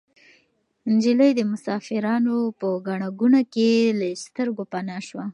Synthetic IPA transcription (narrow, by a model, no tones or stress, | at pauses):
nd͡ʒɪləjd̪əmʊsɑfɪɾɑnopəɡaɳaɡunakelast̪əɾɡopanɑʃwa